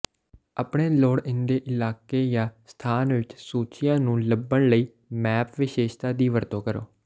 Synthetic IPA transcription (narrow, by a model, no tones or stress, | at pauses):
əpɳeːloːɽɪ̃nd̪eːʔɪlaːkeːjãːst̪ʰaːnʋɪt͡ʃsuːt͡ʃɪjãːnũːləbːəɳləiː | mɛːpʋɪʃeːʃt̪aːd̪iːʋəɾt̪õːkəɾo̰ː